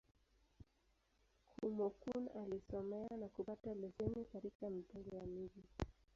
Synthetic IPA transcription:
kʰumɔkunalisɔmɛanakupatalɛzɛnikaɾikam̩tɛŋɡɔjamiʄi

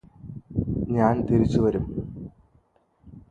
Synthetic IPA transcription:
ɲaːnt̪iɾit͡ɕːuʋɐɾum

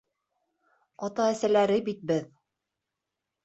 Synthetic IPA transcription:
ɑt̪ɑæsælæɾɘbit̪̚bɘð

